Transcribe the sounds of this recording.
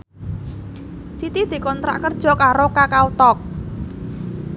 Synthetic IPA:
sit̪id̪̥i̤kɔnt̪ɾa̰ʔkərd̥ʒ̥ɔ̤kaɾokakaut̪ɔk̚

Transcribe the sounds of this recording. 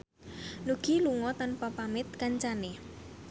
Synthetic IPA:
nuɡ̥iluŋɔt̪anpapamɪt̪̚kaɲt͡ʃane

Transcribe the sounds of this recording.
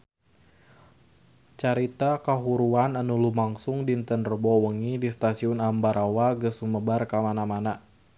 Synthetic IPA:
t͡ʃaɾit̪akaɦuɾuananulumaŋsʊŋdint̪ənrəbɔwəŋidist̪asiʊnambaɾʔawaɡəsuməbarkamanamana

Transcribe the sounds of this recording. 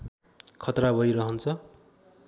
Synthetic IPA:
kʰʌt̪rabʱʌjɾʌɦʌnt͡sʰʌ

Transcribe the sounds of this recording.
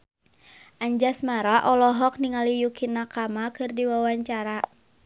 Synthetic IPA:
ʔaɲd͡ʒasmaɾaʔɔlɔɦɔk̚niŋalijukinːakamakɨrdiwawaɲt͡ʃaɾa

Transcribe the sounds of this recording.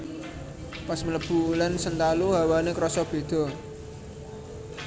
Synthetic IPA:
pasmələb̥ṳlɛnsənt̪aluɦawanekɾɔsɔb̥e̤d̪̥ɔ̤

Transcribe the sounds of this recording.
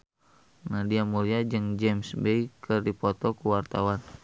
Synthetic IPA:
nahdiamuliad͡ʒɨŋd͡ʒɛmsbejkərdipɔt̪ɔkuwart̪awan

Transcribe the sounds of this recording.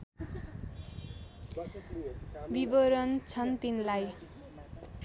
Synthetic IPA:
bibʌɾʌnt͡sʰʌnt̪inlaj

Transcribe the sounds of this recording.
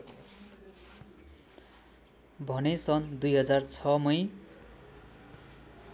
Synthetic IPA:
bʱʌnesʌnd̪ujɦʌd͡zart͡sʰʌmʌj

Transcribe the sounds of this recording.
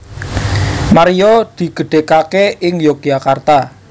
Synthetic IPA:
maɾiɔd̪̥i̤ɡ̥ə̤ɖ̥e̤kakeɪŋjɔɡ̚jakart̪a

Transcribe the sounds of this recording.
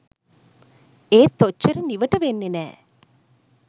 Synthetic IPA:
eːt̪ːot͡ʃːɐɾəniʋəʈəʋenːenæ̰ː

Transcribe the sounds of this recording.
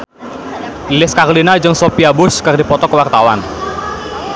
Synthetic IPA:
ilɪskaɾolinad͡ʒɨŋsopiabʊskɨrdipɔt̪ɔkəwart̪awan

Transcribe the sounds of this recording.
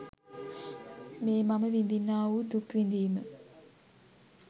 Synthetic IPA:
meːmaməʋind̪inːaːud̪ukʋind̪iːmə

